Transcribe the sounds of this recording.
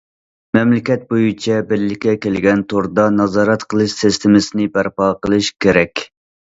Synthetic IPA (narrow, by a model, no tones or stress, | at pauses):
mɛmlɪkʲɛt̪̚bojut͡ʃʰɛbɪɾlːɪkʲːɛkʲelɡʲɛnt̪ʰoɾd̪ɑnɑzɑːɾɛt̪qʰəlˠɨʃsɪst̪ʰɪmɪsɪnɪbæɾpɑqəlˠɨʃkʲʰeɾɛkʲ